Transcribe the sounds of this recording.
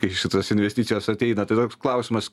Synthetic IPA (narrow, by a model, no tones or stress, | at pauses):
kɐɪʃʲɪt̪oːsɪnʲʋʲɛsʲt̪ʲit̪sʲɪjoːsɐt̪ʲɛɪnɐt̪ɐɪt̪oːksklˠɐʊsʲɪmɐs